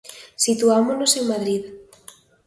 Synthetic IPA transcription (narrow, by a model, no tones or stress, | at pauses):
sit̪uamonoseŋmaðɾið